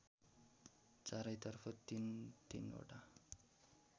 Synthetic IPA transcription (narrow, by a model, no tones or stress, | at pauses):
t͡saɾʌjt̪ʌrpʰʌt̪int̪ino̰ʈa